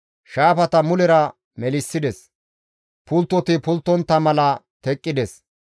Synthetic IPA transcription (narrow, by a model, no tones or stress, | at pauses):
ʃaːfɐt̪ɐmʊlɛɾɐ | mɛlɪsːɪd̪ɛs | pʊlt̪ːɔt̪ɪpʊlt̪ːɔnt̪ːɐmɐlɐ | t̪ɛkʼːɪd̪ɛs